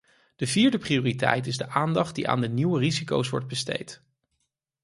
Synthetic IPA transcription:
d̥əviːɹdəprioːritɛ̰jtɪzdəʔaːndɑχt̚diʔa̰ːndəniwəriziko̰wsʋɔ̰ɹd̚bəstḛjt

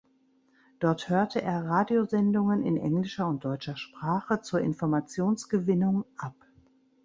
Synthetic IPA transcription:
d̥ɔɐthøːɐtʰəʔeːɐʁaːdiozɛndʊŋənɪ̰nʔɛ̰ŋlɪʃɐʊnt̚d̥ɔʏt͡ʃɐʃpʁ̥aːχət͡suːɐʔɪnfɔɐmat͡sjoːnsɡ̥əvɪnʊŋʔap

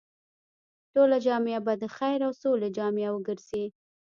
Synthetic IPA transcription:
ʈolad͡ʒɑmeabad̪əxajɾawsoled͡ʒɑmjawəɡəɾzi

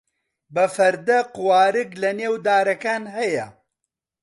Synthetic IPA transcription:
bɐfɐɾd̪ɐqʊwaːɾɨklɐneːwd̪aːɾɐkaːnɦɐjɐ̰

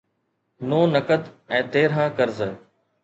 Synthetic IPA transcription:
noːnəkəd̪ɛ̃ːt̪eːɾɦãːkəɾzə

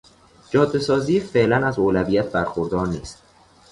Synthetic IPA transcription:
d͡ʒɒːd̪ːe̞sɒːziːfeʔlænæzoːlævijæt̪ʰbæɾxoɾd̪ɒːɾniːst̪

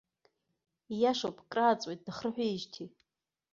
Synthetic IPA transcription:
jaʂopʼkʼraːt͡sʼwejt̚ʼdaχrɨħʷᶣaiʒtʰi

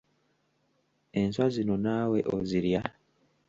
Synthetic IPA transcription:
e̞nswazino̞naːwe̞ʔoziɾja

